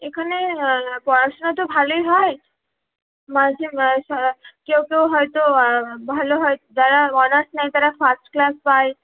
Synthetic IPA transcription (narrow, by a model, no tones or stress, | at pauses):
ekʰanepɔɾasɔnɔt̪obʱalojɦɔj | mad͡ʒʰʱimsɔkewkewɦɔjt̪obʱaloɦɔjd͡ʒaɾaɔnasʈnajt̪aɾapʰasʈklaspaj